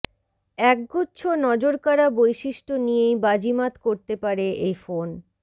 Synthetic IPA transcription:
ɛk̚ɡotːɕʰonɔd͡ʑoɾkaɾabojʃiʃʈonijejbad͡ʑimat̪koɾt̪epaɾeʔejfon

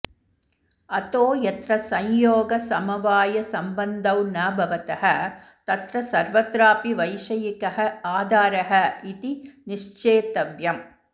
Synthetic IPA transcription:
ɐt̪oːjɐt̪ɾɐsɐ̃ɲjoːɡɐsɐmɐʋaːjɐsɐmbɐnd̪ɐwnɐːbʱɐʋɐt̪ɐɦɐ | t̪ɐt̪ɾɐsɐɾʋɐt̪ɾaːpiʋɐjʃɐjikɐɦɐaːd̪ʱaːɾɐɦɐit̪iniʃt͡ʃeːt̪ɐʋjɐm

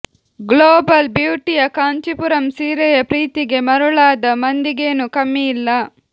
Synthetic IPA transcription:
ɡloːbɐlbjuːʈijɐkaːɲt͡ʃipuɾɐmsiːɾɛjɐpɾiːt̪iɡe̞mɐɾuɭaːd̪ɐmɐnd̪iɡeːnukɐmːijilːɐ

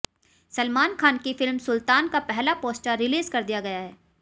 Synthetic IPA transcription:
sɐlmaːnkʰaːnkifɪlmsʊlt̪aːnkapɛɦlapoːsʈaɾɪliːzkɐɾd̪ijaɡɐjaɦɛː

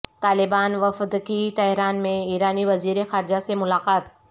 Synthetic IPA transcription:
t̪aːlɪbaːnʋɐfd̪kit̪ɛɦɾaːnmẽiːɾaːniʋɐziːɾexaːɾɪd͡ʑasemʊlaːqaːt̪

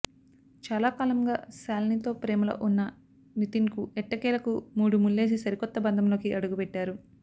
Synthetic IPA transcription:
t͡ʃaːlaːkaːlɐŋɡaːsaːlnit̪o̞ːpɾeːmɐlɐ̰ʔunːɐ | nit̪iŋkuɛʈːɐkɛːlɐkumuːɽumulːe̞ːs̬isɐɾikɔt̪ːɐbɐnd̪ʱɐmlo̞ːkiʔɐɽuɡupɛʈːaːɾu

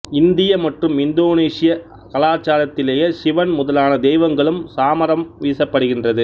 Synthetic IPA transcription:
ɪnd̪ɪjɐmɐʈrɯmɪnd̪oːneːʂɪjɐ | kɐlaːt͡ʃːaːlɐt̪ːɪleːjɐʃɪʋɐnmʊðɐlaːnɐd̪ɛjʋɐŋɡɐɭɯmsaːmɐɾɐmʋiːsɐpːɐɽɯɣɪndrɐðɯ

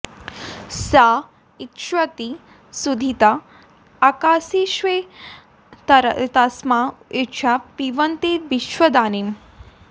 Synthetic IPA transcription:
sa | it̪ʃwɐt̪i | sud̪ʱit̪a | akaːsiʃʋe | t̪ɐsmaet͡ʃʰapiʋɐnt̪eʋiʃʋɐd̪aːnim

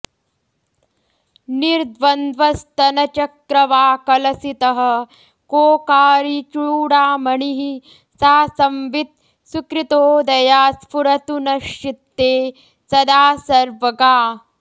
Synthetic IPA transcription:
niɾd̪ʋɐnd̪ʋɐst̪ɐnɐt͡ʃɐkɾɐʋaːkɐlɐsit̪ɐɦɐ̆ | koːkaːɾit͡ʃuɭuːɽaːmɐɳiɦi | saːsɐmʋit̪̚ | sukɾit̪oːd̪ɐjaːspuɾɐt̪unɐʃit̪ːeː | sɐd̪aːsɐɾʋɐɡaː

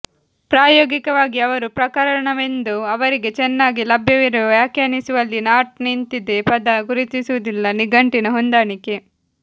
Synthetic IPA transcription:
pɾaːjoːɡikɐʋaːɡiɐʋɐɾupɾɐkɐɾɐɾɐɳɐʋe̞nd̪uɐʋɐɾiɡe̞t͡ʃɛnːaːɡilɐbʱjɐʋiɾuʋʋjaːkjaːnisuʋɐlːinaːʈ̚nint̪id̪epɐd̪ɐɡuɾit̪isuʋɐd̪ilːɐniɡɐɳʈinɐɦond̪aːɳike

